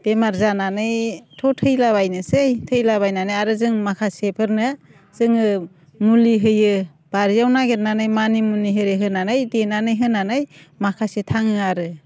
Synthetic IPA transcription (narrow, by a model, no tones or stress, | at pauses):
d̥emaɾzananɯjtʰɔtʰɯjlaβajnɯsejtʰɯjlabajnanɯjaɾɯzɯŋmakʰasepʰɯɾnɯ | z̥ɯŋɯ | muliɦɯjɯ | b̥aɾijawnaɡeɾnanɯjmanimuniɦɯɾeɦɯnanɯjdenanɯjɦɯnanɯj | makʰasetʰaŋɯaɾɯ